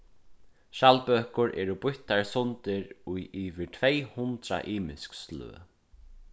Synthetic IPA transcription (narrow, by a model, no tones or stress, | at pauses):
ʃalpœːkʊɾʔɛ̰ːɾʊbʊjt̪aɹsʊnt̪ɪɾujʔiːvɪt̪ʰvejhʊnt̪ɾa̰ʔiːmɪskslø̰ː